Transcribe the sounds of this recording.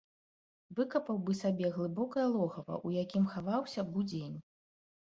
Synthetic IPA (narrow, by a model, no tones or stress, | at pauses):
vɨkɐpɐwbɨsabʲɛɣlˠɨbɔkɐjɐlˠɔɣɐvɐ̰ʔujakʲimxavawsʲɐbud͡zʲenʲ